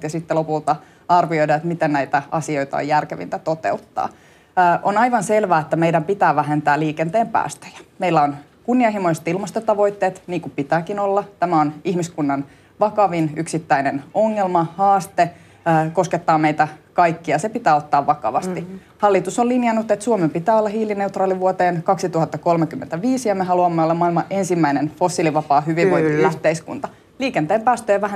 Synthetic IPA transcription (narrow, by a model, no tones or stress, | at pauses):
tjɑsit̪ːelopult̪ɑ | ɑrʋiojdɑːet̪mit̪ennæit̪æɑ̰sioit̪ɑ̰o̰jærkeʋḭnt̪æt̪ot̪ḛut̪ːɑ̰ː | ʔonɑiʋɑnselʋæːet̪ːæmeidæmpit̪æːʋæɦent̪æːliːkent̪eːmpæ̰ːst̪ø̥jæ̥meilːæon | kunːiɑhimoise̥t̪ilmɑst̪ot̪ɑʋo̞it̪ːeːt̪niːŋkupit̪æːkinolːɑt̪æmæonihmiskunːɑn | ʋɑkɑʋinyksit̪ːæinenoŋːelmɑhɑːst̪e | kosket̪ːɑːmeit̪ækɑjkːiɑsepit̪æːot̪ːɑːʋʋɑkɑ̰ʋɑst̪i | hɑlːit̪usolinjɑnut̪ːet̪suomempit̪æːolːɑhiːline̞ut̪rɑːliʋuot̪eːnkɑksit̪uhɑt̪ːɑkolmekymːḛnt̪æʋiːsijɑmeɦɑluɑmːeolːɑmɑilmɑʔe̞nsimːæinenfo̞sːiliʋɑpɑːɦyʋiʋʋoint̪iyht̪eiskṵnt̪ɑ | liːkent̪eːmpæːst̪øːʋæɦæ